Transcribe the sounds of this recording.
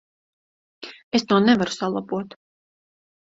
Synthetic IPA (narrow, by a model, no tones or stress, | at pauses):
esnuɔnɛvaɾu̥salˠabuɔt̪